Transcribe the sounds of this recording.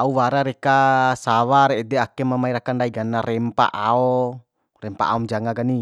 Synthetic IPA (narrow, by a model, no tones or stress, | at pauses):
auwaɾaɾɛkasawaɾeːdɛakɛmamaiɾakandaiɡanaɾɛmpa̰ʔaɔ | rɛmpa̰a̰ɔmd͡ʒaŋaɡani